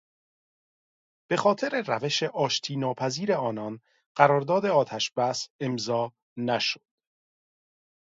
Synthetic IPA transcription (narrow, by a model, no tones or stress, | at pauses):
b̥e̞xɒːt̪ʰe̞ɾe̞ræve̞ʃeʔɒːʃt̪ʰiːnɒːpʰæziːɾe̞ɒːnɒn | ɢ̥æɾɒːɾd̪ɒːd̪e̞ɒːt̪ʰæʃb̥æse̞mzɒː | næʃo̥d̪̥